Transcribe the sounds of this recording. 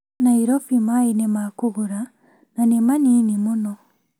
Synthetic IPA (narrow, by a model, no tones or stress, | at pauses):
naiɾɔfimainemakuɣuɾa | nanemaninimunɔ